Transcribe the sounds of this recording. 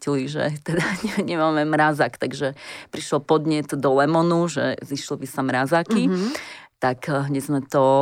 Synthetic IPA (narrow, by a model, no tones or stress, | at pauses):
cliʒɛ̰t̪ɛd̪aɲɛɲɛmaːmɛmɾazakt̪aɡʒɛpɾiʃlɔpɔd̪ɲɛt̪d̪ɔlɛmɔnuʒɛ̰ziʃlɔbisamɾazakit̪akɦɲɛzmɛt̪ɔ